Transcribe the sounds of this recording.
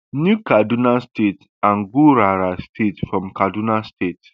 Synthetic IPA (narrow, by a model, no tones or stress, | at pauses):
njukadunastet | ãnɡuɾaɾastʰetfɹɔ̃mkadunastet